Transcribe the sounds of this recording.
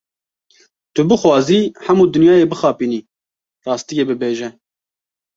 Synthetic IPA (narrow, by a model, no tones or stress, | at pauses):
t̪ʊbɨxwɑːziːħɛmuːd̪ɨnjɑːjeːbɨxɑːpiːniː | t̪ɑːst̪ijeːbɨbeːʒɛ